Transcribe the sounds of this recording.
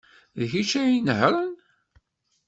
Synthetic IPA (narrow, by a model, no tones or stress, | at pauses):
ðçit͡ʃæjinhɾˤən